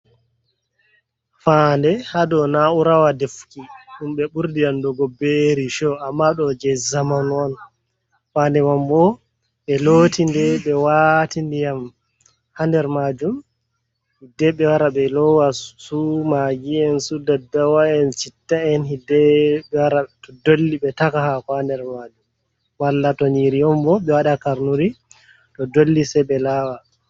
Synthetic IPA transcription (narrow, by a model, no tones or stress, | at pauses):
fandɛhadɔnauɾawadefkiɗumɓɛɓuɾdiandɔɡɔbeɾiʃɔamːaɗɔd͡ʒɛzamanɔn | fandɛmambɔ | ɓɛlotʰindɛɓɛwatindijam | handɛɾmad͡ʒum | hidɛɓɛwaɾaɓɛlɔwasumaɡiɛnsudadːawaɛnt͡ʃitːaɛnhidɛɓɛwaɾatɔdolːiɓɛtakahakandɛɾmad͡ʒum | walːatɔniɾijɔmbɔɓɛwaɗakaɾnuɾi | tɔdolːisɛɓɛlaːwa